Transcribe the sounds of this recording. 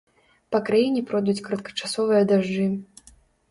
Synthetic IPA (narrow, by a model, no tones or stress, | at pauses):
pɐkɾajinʲɛpɾɔd̪ut͡sʲkɐɾɐt̪̚kɐ̥t͡ʂasɔvɨjɐd̪aʐd͡ʐɨ